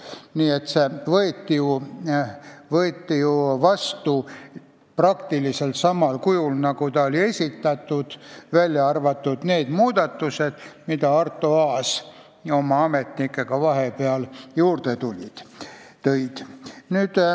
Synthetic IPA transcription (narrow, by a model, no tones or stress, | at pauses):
niːet̪se̞vɤet̪ːiju | vɤet̪ːijuvɑst̪u | prɑkt̪ilise̞lt̪sɑmɑlkujulnɑɡut̪ɑo̞lʲie̞sʲit̪ːˑɑt̪ːˑud̪̥vælʲjɑɑrvɑt̪ːud̪̥ne̞ːd̪̥muːd̪̥ɑt̪ːuse̞d̪̥mid̪ɑɑrt̪ːˑoɑːs | o̞mɑɑme̞t̪nikːˑe̞ɡ̥ɑvɑɦe̞peɑljuːrd̪̥et̪ulʲid̪̥t̪ɤjd̪̥nyːd̪̥